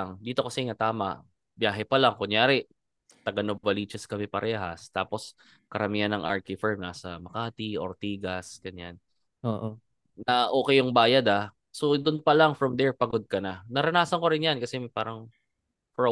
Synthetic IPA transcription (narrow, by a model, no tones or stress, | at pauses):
ŋd̪iːt̪o̞kɐsɛŋɐt̪aːmɐ̰ʔ | bjaːɦɛpɐlaŋkʊŋjaːɾɛ | t̪ɐɡɐnovɐliːt͡ʃɐskɐmɛpɐɾʔɛːɦɐst̪aːpo̞s | kɐɾɐmiːɐnɐŋʔa̰ɹkɪfɛɹmnaːsɐmɐkaːt̪iʔoɾt̪iːɡɐsɡ̥ɐnjan | oːʔo | nɐʔo̞ːkɛjʊŋbaːjɐd̪a | so̞d̪ʊnpɐlaŋfɹɐmd̪ɛɹpɐɡod̪̚kɐnɐnɐɾɐnaːsɐnkoɾɪnjankɐsɛmɐpaːɾɐŋ | fɹo